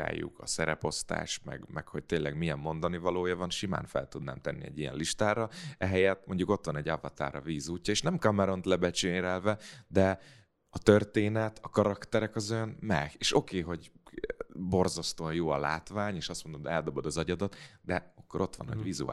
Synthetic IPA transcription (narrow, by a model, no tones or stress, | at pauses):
a̰ːjːṵkʰɒ̰sɛɾɛpo̞st̪a̰ːʃmɛ̰ɡmɛkho̞c̚t̪eːlːɛɡmijɛmːo̞nd̪ɒnivɒloːjɒvɒnʃima̰ːnfɛ̰lt̪ud̪na̰ːmt̪ɛnːiɛ̰ɟijɛ̰nliʃt̪aːɾɒɛɦɛjɛt̪̚mo̞ɲɟuko̞t̪ʋɒnɛɟavɒt̪a̰ːɾɒ̰viːzuːcːɒeːʃnɛmkɒmɛɾo̞nt̪lɛbɛt͡ʃeːɾɛlvɛd̪ɛ | ɒt̪ørt̪eːnɛt̪ʰɒkɒɾɒkt̪ɛɾɛkɒzojɒnmɛɡeːʃo̞keːɦo̞ɟ | bo̞rzɒst̪oɒjoːɒla̰ːt̪vaːɲeːʃɒst̪mo̞nd̪omɛld̪o̞bo̞d̪ɒzɒɟɒd̪ɒt̪d̪ɛɒkːo̞ɾo̞t̪ʋɒ̰nho̰ɟvizṵ